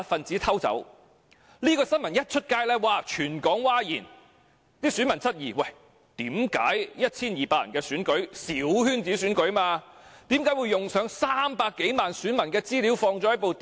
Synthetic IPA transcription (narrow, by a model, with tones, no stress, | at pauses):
fɐ˨nt͡siː˨˥t̪ʰɐ˥wt͡sɐ̰˨˥w | liː˥kɔː˧sɐ˥nmɐ˨˩njɐ˥t̚t͡ʃʰɵ˥t̚kaː˧jlɛː˥waː˨t͡ʃʰyː˨˩nkɔː˨˥ŋwaː˥jiː˨˩n | t̪iː˥sy˨˥nmɐ˨˩nt͡sʰɐ˥t̚jiː˨˩wɐ˨˩j | t̪iː˨˥mka̰ː˨˥jjɐ˥t̚t͡sʰiː˥njiː˨˩paː˧jɐ̰˨˩nkɛː˧syː˨˥nkɵ˨˥ɥsiː˨˥whyː˥nt͡siː˨˥syː˨˥nkɵ˨˥ɥmaː˧t̪iː˨˥mkaː˨˥jwu˨˧jːʊ˨ŋsœː˨˥ŋsaː˥mpaː˧kːe˨˥jmaː˨nsyː˨˥nmɐ˨˩nkɛː˧t͡siː˥li˨˥wfɔː˧ŋt͡sɔː˨˥jɐ˥t̚po˨wt̪